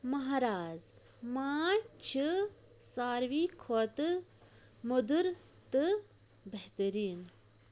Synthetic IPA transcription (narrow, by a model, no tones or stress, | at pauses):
mɐɦɾaːz | maːt͡ʃʰi | saːɾʋiːkʰoːt̪ɨ | mud̪uɾ | t̪ɨ | beht̪əɾiːn